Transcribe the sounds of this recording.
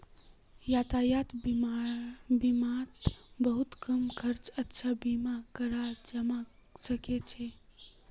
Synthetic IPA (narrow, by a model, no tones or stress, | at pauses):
jat̪ajat̪b | bimat̪bəɦut̪kəmkʰəɾt͡ʃətːʃʰabimakəɾad͡ʒəma | səket͡ʃʰe